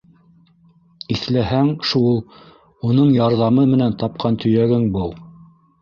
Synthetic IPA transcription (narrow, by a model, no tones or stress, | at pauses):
iθlæɦæŋʃulˠ | unɤɴjɑɾðɑmɤmɘ̆nænt̪ɑp̚qʰɑnt̪ʰɵ̆jæɡɘŋbɤw̪ˠ